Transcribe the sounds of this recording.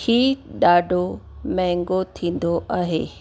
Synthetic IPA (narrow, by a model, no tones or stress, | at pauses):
hiːɗaːɖʱomɛ̃ɦŋɡot̪ʰĩːn̆d̪oʔaːɦḛː